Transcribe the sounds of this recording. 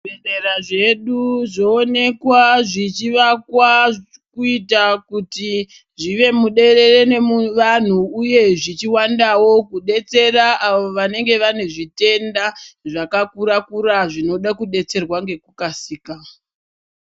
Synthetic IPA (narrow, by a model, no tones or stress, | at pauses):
ereraʐe̞ɗuʐo̞ːne̞kwaʐit͡ʃiʋakwa | kuitakuti | ʐiʋe̞muɗe̞re̞re̞ne̞mʋan̤uːje̞ʐit͡ʃiwandawo̞kuɗe̞t͡se̞raaʋo̞ʋane̞ŋɡe̞ʋane̞ʐite̞ndaʐakakuɾakuɾaʐino̞ɗakuɗe̞t͡se̞rwaŋɡe̞kukasiːka